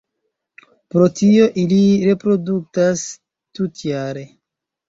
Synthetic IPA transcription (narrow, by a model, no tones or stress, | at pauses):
pɾo̞tio̞ʔiliɾe̞pɾo̞duk̚tas | tutjaɾe̞